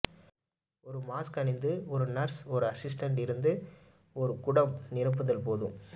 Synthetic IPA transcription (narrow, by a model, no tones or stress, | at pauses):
ɔɾɯmaːskɐnɪnd̪ɯɔɾɯnɐɾsɔɾɯɐsɪs̬ʈɐɳɖɪɾɯnd̪ɯ | ɔɾɯkʊɽɐmnɪɾɯp̬ːɯðɐlpoːðɯ̰̃m